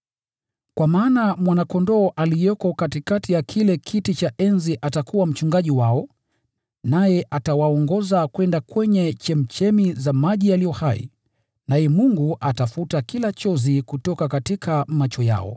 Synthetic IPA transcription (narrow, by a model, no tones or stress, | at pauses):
kwamaːnamwanakɔndɔːʔalijɔkɔkatikatijakʰilɛkʰitit͡ʃaʔɛnziʔatakʰuwam̩t͡ʃuŋɡaʄiwaɔ | najɛʔatawaɔŋɡɔzakwɛndakwɛɲɛt͡ʃɛm̩t͡ʃɛmizamaʄijalijɔhaḭ | najɛmuŋɡuʔatafutakilat͡ʃɔzikutɔkakatikʰamat͡ʃɔja̰ɔ̰